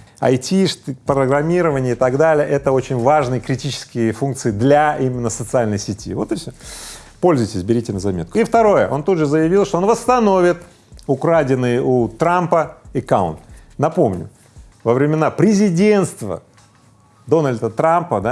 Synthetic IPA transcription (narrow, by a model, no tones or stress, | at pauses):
ɐ̰jtʲiʂt̪pɾəɡɾɐmʲiɾəvənʲɪəɪt̪ɐɡd̪alʲɪjəʔɛt̪əo̞t͡ɕɪnʲvaʐnɨjəkɾʲɪtʲit͡ɕɪ̥skʲɪjɪfunkt̪sɨɪd̪lʲaimʲɪnːəsət̪sɨalʲnəjsʲɪtʲḭvo̞̰t̪ɨfsʲo | po̞lʲzʊjtʲɪsʲbʲɪɾʲitʲɪnəzɐmʲe̞t̪̚kʊift̪ɐɾo̞jəʔo̞nt̪ud̪ʐɨzəjɪvʲilˠʂt̪oonvəst̪ɐno̞vʲɪt̪ | ʊkɾadʲɪnːɨjʔut̪ɾampəɪkaʊ̰nt̪nɐpo̞mnʲʊ̰ | vəvɾʲɪmʲɪnapɾʲɪzʲɪdʲe̞nt̪st̪və̰ | d̪o̞nəlʲd̪ət̪ɾampəd̪a